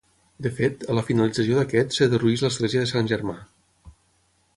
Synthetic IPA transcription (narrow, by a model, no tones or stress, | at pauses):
d̪əfet̪ələfinəlid͡zəs̬ioðəkɛt̪səðəruizləzɣleziəðəsanʲʒəɾma